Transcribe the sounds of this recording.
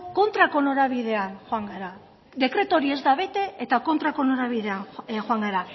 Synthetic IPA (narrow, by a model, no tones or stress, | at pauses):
ko̞nt̪ɾako̞noɾaβið̞e̞anxoaŋɡaɾa | d̪e̞kɾe̞t̪o̞ɾie̞zd̪aβ̞e̞t̪e̞et̪ako̞nt̪ɾakonoɾaβiðe̞anxoaŋɡaɾa